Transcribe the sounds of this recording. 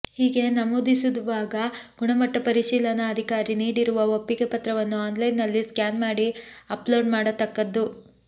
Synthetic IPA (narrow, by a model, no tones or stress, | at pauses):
hiːɡe̞nɐmud̪isud̪uʋaːɡɐɡ̥uɳɐmɐʈːɐpɐɾiʃiːlɐnɐːd̪ʱikaːɾiniːɽiɾuʋɐopːiɡe̞pɐt̪ɾɐʋɐnːuaːnlɐjnːɐlːiskjaːnmaːɽiɐploːɖmaːɽɐt̪ɐkːɐd̪ːu